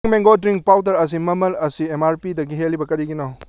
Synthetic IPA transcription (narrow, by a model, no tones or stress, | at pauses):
ŋmeŋɡodɾiŋk̚pawt̬ɐɾɐs̬imɐmɐlɐsiemaɾpidɐɡiɦelːibɐkɐɾiɡinaw